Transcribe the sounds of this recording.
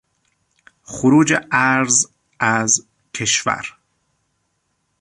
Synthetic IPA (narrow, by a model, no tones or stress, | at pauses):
xʊɾuːd͡ʒeʔæɾz | æz | kʰeʃvæ̰ɾ